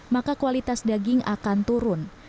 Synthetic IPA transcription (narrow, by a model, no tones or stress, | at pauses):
makakualit̪asdaɡɪŋa̰kant̪uɾʊn